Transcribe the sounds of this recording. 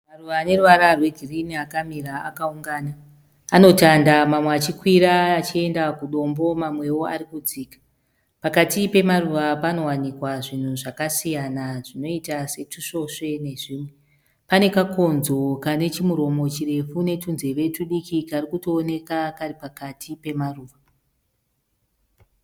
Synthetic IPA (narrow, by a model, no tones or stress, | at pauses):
maruʋaːne̞ruʋaɾarwe̞ɡʱiriniakamiɾaa̰kauŋɡaːnaː | no̞tandamamweat͡ʃikwiɾaːt͡ʃie̞ndakuɗo̞mbo̞mamwe̞wo̞a̰ɾikud͡ziːkḁ | pakatipe̞maruʋapano̞wanikwaʐin̤uʐakasijanaʐino̞itase̞tuʂo̞ʂe̞ne̞ʐiːmwe | pane̞kako̞nzo̞kane̞t͡ʃimuɾo̞mo̞t͡ʃire̞fune̞tunze̞ʋe̞tuɗikikarikuto̞ːne̞kakaripakatʰipe̞maruːʋa